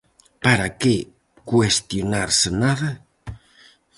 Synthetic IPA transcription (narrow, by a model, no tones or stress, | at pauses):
paɾake | kwest̪jonaɾsenaðɐ